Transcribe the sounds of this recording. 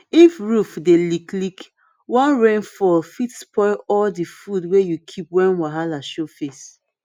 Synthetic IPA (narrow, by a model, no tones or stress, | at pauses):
ifɹufdeliklik | wãnɹẽnfɔfitspɔɪɔldifudwejukʰipwɛ̃nwaɦalaʃofes